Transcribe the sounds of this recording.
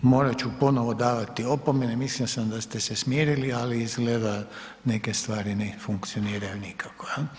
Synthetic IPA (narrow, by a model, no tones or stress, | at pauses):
mo̞ːɾat͡ʃupo̞noʋod̪aːʋat̪io̞pomenemislisamd̪ast̪esesmjeːɾilialiizɡleːd̪a | neke̞st̪ʋaːɾinefuŋkt̪sio̞niːɾajunikʰakoja